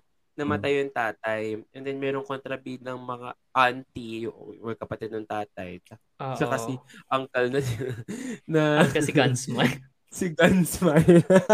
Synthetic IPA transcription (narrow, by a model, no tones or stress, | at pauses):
nɐmɐt̪ajjɐŋt̪aːt̪ɐjʔɛnd̪ɛnmɛːɾoŋkont̪ɾɐbinɐŋmɐŋa̰ | ʔant̪iʔo̰ʔojkɐpɐt̪ɛd̪̚nɐŋt̪aːt̪̚ɐ̰jt͡ʃɐ | sɐkɐsɪʔɐŋkɐlnɐ | nɐkɐɪɡɐnsmaj | sɪɡɐnsmajl